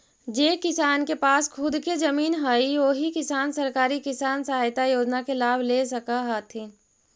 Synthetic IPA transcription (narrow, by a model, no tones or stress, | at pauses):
d͡ʒeːkɪsaːnkepaːskʰʊd̪kezɐmiːnɦəiʋoːɦikɪsaːnsɐɾkaːɾikɪsaːnsəɦaːjt̪ajoːd͡ʒnakelaːbʱleːsɐkaɦat̪ʰĩ